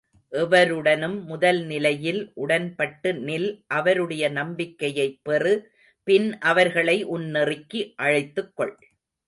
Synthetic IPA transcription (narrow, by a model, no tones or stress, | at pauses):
ʔɛʋɐɾɯɽɐnɯmːʊðɐlnɪlɐjɪlʔʊɽɐnpɐʈːɯnɪlʔɐʋɐɾɯɽɐjɐnɐmbɪkːɐjɐɪpːɛrɯ | pɪnʔɐʋɐɾɣɐɭɐɪʔʊnːɪrɪkːiʔɐɻɐɪt̪ːɯkːɔɭ